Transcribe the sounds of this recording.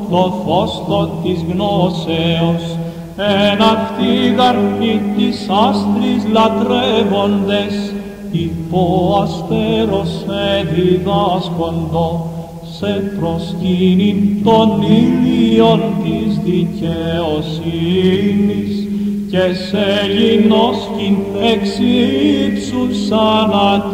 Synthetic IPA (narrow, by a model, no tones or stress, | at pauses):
t̪oθost̪ot̪izɣnoseos | enaft̪iɣaɾfit̪isast̪ɾizlat̪ɾevond̪es | ipoast̪eɾosmeðiðaskond̪o | sepɾoskinint̪oniliont̪isd̪iceosinis | keseʎinoskin | eksiit̪susanat̪